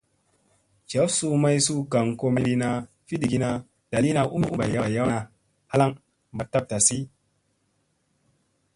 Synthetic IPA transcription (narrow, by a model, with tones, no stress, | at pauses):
t͡ʃa˨˦fsu˦ma˦jsu˦ka˨ŋko˦mi˦li˦na˨ | fi˦di˨ɡi˦na˨ | d̥a˨li˦na˧ʔu˦mi˦u˦ba̰˨jja˦˨ja˦wa˧ | ha˦la˦ŋ | ba˨tːa˦p̚ta˨si˦